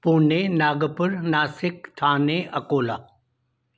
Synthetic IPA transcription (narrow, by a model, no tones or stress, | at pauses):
puːnenaːɡəpʊɾnaːsɪk̚t̪ʰaːneʔɐkoːlaː